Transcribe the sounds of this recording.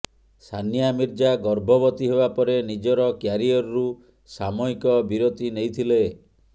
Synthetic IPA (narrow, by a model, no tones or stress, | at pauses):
sʰanijamiɾd͡ʒaɡɔɾbʱɔbɔt̪iɦebapɔɾenid͡ʒɔɾɔkjaɾiɔɾɾu | samɔikɔbiɾot̪inejt̪ʰile